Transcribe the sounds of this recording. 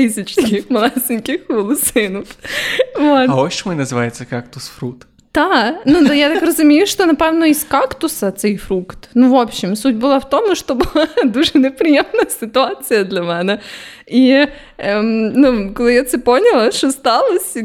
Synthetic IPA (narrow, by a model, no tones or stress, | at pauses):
isʲɪt͡ɕskʲɪxmlˠazʲɪnʲkʲɪxvəlˠʊsɨnəfvot̪aoɕɪmojnəzɨvajɪt̪səkakt̪ʊsfɾukt̪ | d̪̥anud̪ajat̪akɾəzʊmʲejʊʂt̪onɐpavnoiskakt̪ʊsət̪sɨifɾukt̪nuvo̞pɕɪmsut̚ʲbɨlˠaft̪o̞mnuʂt̪obɨlˠad̪uʐɨnʲɪpɾʲɪjemnəjəsʲɪt̪ʊat̪sɨjəd̪lʲɐmanə | i | əmnuklˠɐjʲet̪sɨponʲɪlˠəʂost̪alˠəsʲ